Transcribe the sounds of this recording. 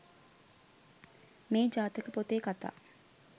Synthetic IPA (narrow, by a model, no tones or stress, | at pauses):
meːd͡ʒaːt̪əkəpot̪eːkat̪a̰ː